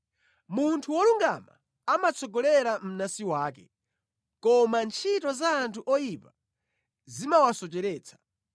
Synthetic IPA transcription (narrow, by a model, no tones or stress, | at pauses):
muntʰuwɔluŋɡa̰ma̰ | amat͡sʰɔɡɔlɛɾam̩nasiwaːkɛ | kɔmant͡ʃʰitɔzaːntʰuʔɔjipa | zimawasɔt͡ʃɛɾɛːt͡sʰḁ